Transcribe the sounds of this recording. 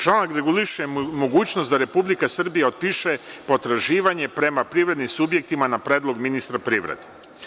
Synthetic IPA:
t͡ʃlˠanakɾe̞ɡuliʃujemo̞ɡuːt͡ɕnosd̪aɾe̞publikasr̩bijaot̪̚piʃepo̞t̪ɾaʒiːʋaɲe̞pɾe̞mapɾiːʋɾe̞d̪nimsubje̞k̚t̪imanapɾeːd̪lˠo̞ɡminist̪ɾapɾiːʋɾḛd̪e

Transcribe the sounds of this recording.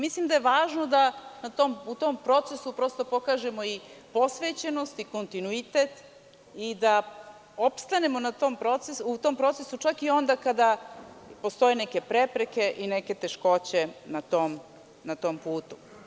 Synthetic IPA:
mislimd̪ajeʋaːʒnod̪anat̪omut̪ompɾo̞t̪se̞supɾo̞st̪opo̞kaːʒe̞mo̞ipo̞sʋet͡ɕe̞no̞st̪iko̞nt̪inuit̪e̞t̪ | id̪a | o̞pst̪ane̞mo̞nat̪o̞mpɾo̞t̪seut̪o̞mpɾo̞t̪se̞sut͡ʃakio̞nd̪akad̪a | post̪o̞jeneke̞pɾepɾe̞ke̞ʔineke̞t̪e̞ʃko̞t͡ɕe̞nat̪om | nat̪o̞mpuːt̪u̥

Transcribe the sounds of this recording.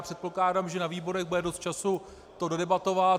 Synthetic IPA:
pr̥ɛt̪̚poklaːdamʒɛnaviːbo̞ɾɛɣbudɛdo̞st̪̚t͡ʃasu | t̪o̞dodɛbat̪o̞va

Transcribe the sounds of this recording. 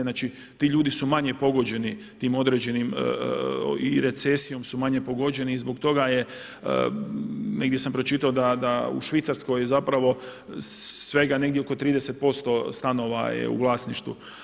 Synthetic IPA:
nat͡ʃi | t̪iːʎuːd̪isumaɲe̞po̞ɡo̞d͡ʑe̞ni | t̪iːmo̞d̪ɾed͡ʑe̞nim | iɾe̞t̪sesijo̞msumaɲepo̞ɡo̞d͡ʒe̞niːzbo̞kt̪o̞ɡaje̞̰ | ne̞ɡd̪jesampɾo̞t͡ʃit̪aod̪ad̪aṵʃʋit̪saɾsko̞jzapɾaʋo̞ | ʋe̞ɡane̞ɡd̪ʲjeokot̪ɾiːd̪ese̞t̪̚po̞st̪o̞st̪ano̞ʋa̰jḛṵʋlˠaːsniʃt̪ʋṵ

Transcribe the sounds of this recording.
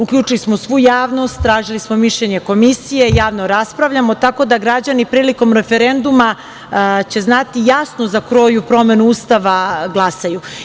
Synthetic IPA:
ukʎʲuːt͡ʃilismosʋujaːʋno̞st̪ːɾaːʒilismo̞miʃʎeɲe̞ko̞misije̞jaːʋno̞ɾaspɾaʋʎamo̞t̪ako̞d̪aɡɾad͡ʑanipɾiːliko̞mɾe̞fe̞ɾe̞nd̪uma | t͡ɕe̞znat̪ijasnozakɾo̞ːjupɾo̞me̞nuust̪aʋaɡlˠasaju

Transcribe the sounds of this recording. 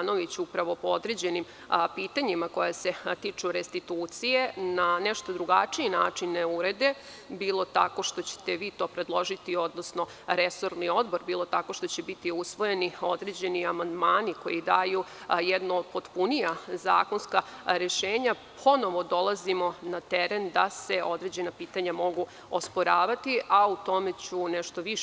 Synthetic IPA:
no̞ʋit͡ɕupɾaʋo̞pood̪ɾed͡ʑe̞nim | piːt̪aɲimako̞jase̞t̪it͡ʂuɾest̪it̪uːt̪sijenaneʃt̪o̞d̪ɾuɡat͡ʂiinaːt͡ʂinːeuɾe̞d̪e̞ | biːlˠo̞t̪a̰ko̞ʃt̪o̞t͡ɕe̥t̪e̞ʋiːt̪o̞ːpɾe̞d̪lˠo̞ʒit̪io̞d̪nosno̞ | ɾeso̞ɾnio̞d̪bo̞ɾbiːlˠo̞t̪ako̞ʃt̪ot͡ɕebit̪iusʋo̞je̞nio̞d̪ɾed͡ʑe̞niamand̪maːniko̞̰jid̪ajujɛd̪noːd̪po̞t̪punijaza̰ːkonskaɾeʃeːɲa | pʰo̞no̞ʋo̞d̪o̞lˠazimo̞nat̪ɛɾend̪aseʔo̞d̪ɾe̞d͡ʑe̞napiːt̪aɲamo̞ɡu | ospo̞ɾaːʋat̪iʔaut̪o̞me̞t͡ɕuneʃt̪o̞ʋiʃ

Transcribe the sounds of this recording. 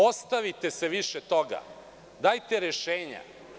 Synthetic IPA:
o̞st̪aʋit̪eseʋiʃet̪o̞ɡa̰ | d̪aːjt̪eɾeʃeːɲa̰

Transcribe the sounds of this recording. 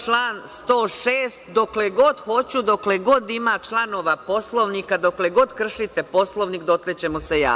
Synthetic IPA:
t͡ʃlaːnst̪o̞ːʃeːst̪d̪o̞kleɡo̞d̪xo̞t͡ɕud̪o̞kleɡo̞d̪imaːt͡ʃlˠano̞ːʋapo̞slˠo̞ʋnikad̪o̞kle̞ɡo̞d̪kr̩ʃit̪e̞po̞slˠo̞ʋnikd̪o̞t̪let͡ɕe̞moseja̰ː

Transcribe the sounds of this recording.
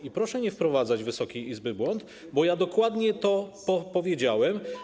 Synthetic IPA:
ipɾɔʂɛɲɛfpɾɔvad̪zad͡ʑvɘsɔkʲijizbɘbwɔnt̪ | bɔjad̪ɔkwad̪ɲɛt̪ɔpɔpɔvʲjed͡ʑawɛm

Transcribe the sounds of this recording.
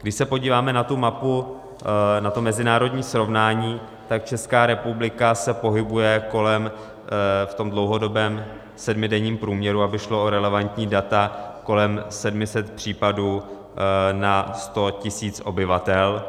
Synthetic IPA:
ɡdɪʃsɛpo̞ɟiːvaːmɛnat̪umapu | nat̪omɛzɪnaːɾo̞dɲiːsɾo̞vnaːɲiː | t̪ak̚t͡ʃɛskaːɾɛpublɪkasɛpo̞ɦɪbujɛko̞lɛm | ft̪o̞mdlowɦo̞do̞bɛːm | sɛdmɪdɛɲiːmpɾuːmɲɛɾuabɪʃlo̞ʔoɾɛlɛvant̪ɲiːdat̪ako̞lɛmsɛdmɪsɛt̪pr̝̥iːpaduː | nast̪o̞cɪsiːt͡sʔo̞bɪvat̪ɛl

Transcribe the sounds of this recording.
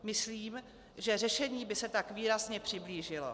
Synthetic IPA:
mɪsliːm | ʒɛr̝ɛʃɛɲiːbɪsɛt̪akviːɾazɲɛpr̝̥ɪbliːʒɪlo̰

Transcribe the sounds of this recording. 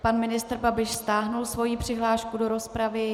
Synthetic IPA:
panmɪnɪst̪r̩babɪʃst̪aːɦnulsvo̞jipr̝̥ɪɦlaːʃkudo̞ɾo̞spɾavɪ

